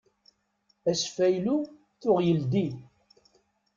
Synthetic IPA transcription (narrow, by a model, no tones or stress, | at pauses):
æsfæjlu | θʊʁjəld̪i